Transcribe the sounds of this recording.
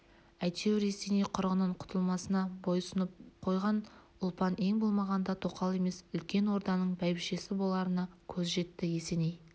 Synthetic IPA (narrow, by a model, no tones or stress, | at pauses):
æjt̪e̞wɾe̞se̞nejqʰʊɾʁənəɴqʰʊ̥t̪ʰəlˠmɑsənɑbojsʊnəp̚qʰo̞jʁɑn | ʊlˠpɑne̞ŋbolˠmɑʁɑnd̪ɑt̪ʰo̞qɑlˠe̞me̞sʏlkʲe̞nwo̞ɾd̪ɑnəɴbæjbɪʃe̞sɪbo̞lˠɑɾənɑkʲʰɵzʒe̞t̪ːɪje̞se̞nej